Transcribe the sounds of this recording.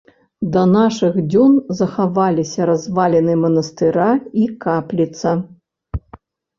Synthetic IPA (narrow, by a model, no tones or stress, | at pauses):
d̪ɐnaʂɨɣd͡zʲunzɐxavalʲisʲɐɾazvalʲɛnɨɛmɐnɐst̪ɨɾaikaplʲit̪sɐ